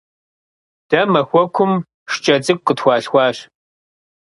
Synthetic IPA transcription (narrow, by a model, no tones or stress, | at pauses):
d̥ɐmɐxʷɔkʷʰʊm | ʂt͡ʃʼɐt͡sʼɨkʷʼqʼətxʷɑːɬxʷɑːɕ